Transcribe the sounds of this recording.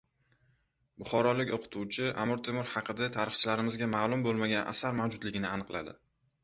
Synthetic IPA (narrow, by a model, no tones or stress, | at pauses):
bʊχɒɾɒlɪkʲoqʰʊ̥t̪ʰuwt͡ʃʰɪʔa̰mʊɾt̪ʰemʊɾhɑqʰɨd̪at̪ʰaɾɨχt͡ʃʰɪlaɾɪmɪzɡʲamaːlˠʊmbolˠmaɡʲanʔa̰saɾmawd͡ʒʊd̪lɪɡʲɪnɪanɨqlˠa̰d̪ɪ